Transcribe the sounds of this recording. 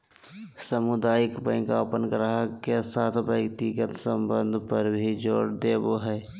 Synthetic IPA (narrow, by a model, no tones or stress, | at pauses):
səmʊd̪aːjɪkpə̃ɪkaʊpənkəɾəɦakesaːt̪ʰʋjəkt̪ikət̪səmbə̃nd̪ʱpəɾbʱid͡ʒoːɽd̪eːboɦɛː